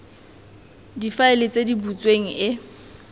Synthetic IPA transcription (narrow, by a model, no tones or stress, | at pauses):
difaɪlɪt͡sʼedibut͡sʼweŋ̩ʔɪ